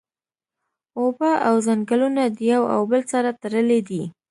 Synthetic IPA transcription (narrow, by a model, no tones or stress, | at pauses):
obaʔawzaŋɡalunad̪əjawa̰wbəlsaɾat̪aɾəled̪i